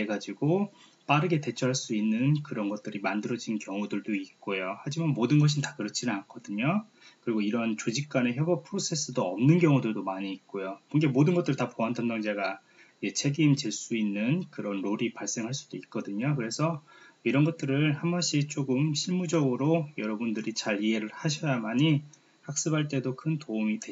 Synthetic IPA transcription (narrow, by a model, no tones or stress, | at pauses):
eɡad͡ʑiɡo | p͈aɾɯɡe̞te̞t͡ɕʰʌɦaɭs͈uinːɯnkɯɾʌnɡʌt̚t͈ɯɾimandɯɾʌd͡ʑinkjʌŋudɯɭdoik̚k͈ojohad͡ʑimanmodɯnɡʌɕ̬ʰintḁkɯɾʌt͡ɕʰinak͈ʰʌdɯɲo | kɯɾiɡoiɾʌnt͡ɕod͡ʑik̚k͈aneçjʌbʌpʰɯɾosʰe̞s͈ʰɯdoʌmnɯnɡjʌŋudɯɭdomaɲiːk̚k͈ojokʌnŋɡe̞modɯnɡʌt͈ɯɾɯɭtapoɦandʰʌndaŋd͡ʑaɡa | et͡ɕʰe̞ɡimt͡ɕeɭs͈uinːɯnkɯɾʌnɾoɾipaɭs͈e̞ŋɦaɭs͈ud̥oik̚k͈ʌdɯɲokɯɾe̞sʰʌiɾʌnɡʌt͈̚ɯɾɯɭhambaɕ͈ʰit͡ɕ͈oɡɯmɕʰiɭmud͡ʑʌɡɯɾojʌɾʌbundɯɾit͡ɕaɾie̞ɾɯɭhaɕʰʌjamaɲi | hak̚s͈ɯbaɭt͈e̞dokʰɯntoumidwe